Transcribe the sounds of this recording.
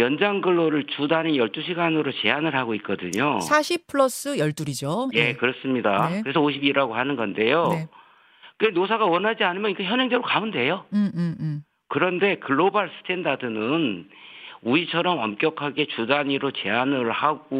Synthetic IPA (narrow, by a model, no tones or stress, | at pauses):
jʌnd͡ʑaŋɡɯɭːoɾɯɭt͡ɕudaɲijʌɭt͈uɕʰiɡanɯɾot͡ɕe̞anɯɭɦaɡoik͈ʌdɯɲosʰaɕʰippʰɯɭʌs͈ɯjʌɭt͈uɾid͡ʑojekɯɾʌs͈ɯmɲidakɯɾe̞s̬ʰʌoɕʰibiɾaɡohanɯnɡʌnde̞jo | kenos̬ʰaɡawʌnɦad͡ʑianɯmjʌnikeçjʌnʌŋd͡ʑeɡɾokaunde̞jo | kɯɾʌnde̞kɯɭːobaɭs͈ʰɯ̥tʰendadɯnɯn | uit͡ɕʰʌɾʌmʌmk͈jʌkʰaɡe̞t͡ɕudaɲiɾot͡ɕe̞anɯɭhaɡ̥o